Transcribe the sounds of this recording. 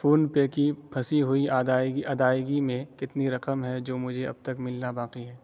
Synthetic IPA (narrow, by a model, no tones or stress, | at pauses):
fʰoːnpeːkipʰɐsiɦʊiʔaːd̪aːɡiʔɐd̪aːɪɡimẽkɪt̪niɾɐqəmɦɛd͡ʒoːmʊd͡ʒʱeɐ̰b̚t̪ɐkmɪlnabaːqiɦɛː